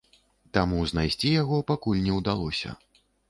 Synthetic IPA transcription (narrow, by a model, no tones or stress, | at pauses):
t̪amuznajsʲt͡sʲijaɣɔpakulʲnʲɛwd̪alˠɔsʲɐ̰